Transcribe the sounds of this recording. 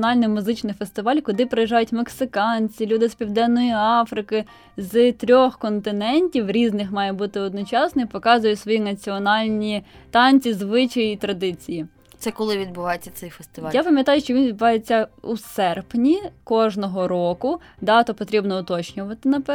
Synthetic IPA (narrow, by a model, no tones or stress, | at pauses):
nɑlʲnɪmʊzɪt͡ʃnɪfest̪ɪʋɑlʲkʊd̪ɪpɾejiʒɑjʊtʲmeksɪkɑnʲt͡sʲilʲud̪ɪspʲiwd̪ɛnːɔjiɑfɾɪkɪ | zt̪ɾʲɔxkɔnt̪ɪnɛnʲtʲiwɾʲiznɪxmɑjɛbut̪ɪɔd̪nɔt͡ʃɑsnɔipɔkɑzʊjʊtʲsʋɔjinɐt͡sʲiɔnɑlʲnʲit̪ɑnʲt͡sʲizʋɪt͡ʃɐjit̪ɾɐd̪ɪt͡sʲiji | t̪sɛkɔlˠɪʋʲid̪̚bʊʋɑjet͡sʲːɐsɛjfest̪ɪʋɑjapɐmʲjɐt̪ɑjʊʃt͡ʃɔʋʲinʋʲid̪̚bʊʋɑjet͡sʲːɐusɛrpnʲikɔʒnɔɦɔɾɔkʊ | d̪ɑt̪ɔpɔt̪ɾʲibnɔʊt̪ɔt͡ʃnʲʊʋɐt̪ɪnɐpɛ